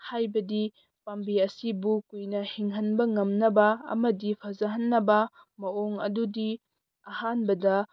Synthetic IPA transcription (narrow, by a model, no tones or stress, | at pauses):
hajbɐdi | pambiɐsibukujnɐhiŋɦɐnbɐŋɐmnɐbɐɐ̰mɐdipʰɐzɐɦɐnːɐbɐ | mɐoŋɐ̰dudi | ɐhanbɐdɐ